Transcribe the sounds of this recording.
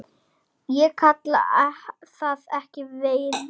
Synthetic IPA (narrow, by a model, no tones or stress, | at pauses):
jɛkʰat̪la̰aθaðɛhcɪveːj